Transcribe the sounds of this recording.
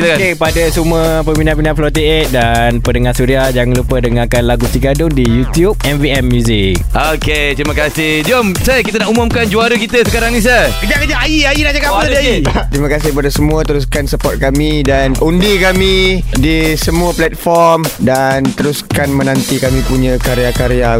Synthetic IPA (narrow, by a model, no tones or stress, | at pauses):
akepadasuməpəminaʔpinaflɔt̪eeʔ̚danpənəŋasuɾiad͡ʒaŋlupədəŋãakanlaɡut̪iɡadʊŋdijut̪jup̚ɛmviɛmːjuzɪk | oket̪ɾimə̃kasɪhd͡ʒomsakit̪̬anaʔumʊmkand͡ʒuaɾukit̪əsəkaɾaŋnĩs̬əkəd͡ʒaʔkəd͡ʒaʔaiainad͡ʒakawadiait̪ɾimə̃kasɪhpadasəmũət̪əɾus̬kansəpɔt̪̚kamĩdanundikamĩdisəmuəplɛt̪̚fɔrmdant̪əɾuskanmə̃nãnt̪ikamĩpuɲə̃kaɾeakaɾea